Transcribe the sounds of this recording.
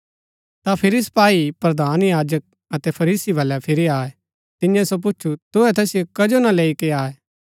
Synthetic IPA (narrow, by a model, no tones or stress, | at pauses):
t̪apʰɪɾispaːipɾɐd̪aːnjaːd͡ʒək̚ | ɐt̪ɛpʰɐɾiːsibʱɐlɛpʰɪɾiaːɛ | t̪ɪjɛ̃sop̬ʊːt͡ʃʰut̪ʊɛt̪ɛːsijokɐd͡ʒonɐleːikeaːɛː